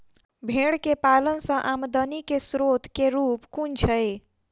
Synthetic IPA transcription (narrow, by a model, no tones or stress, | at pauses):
bʱeɽkepalənsə̃ʔamd̪ənikesɾot̪keɾupkunt͡ʃʰəj